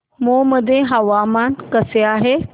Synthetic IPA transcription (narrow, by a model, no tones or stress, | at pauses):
mõːmɐd̪ʱẽɦɐʋaːmaːnkɐseaːɦeː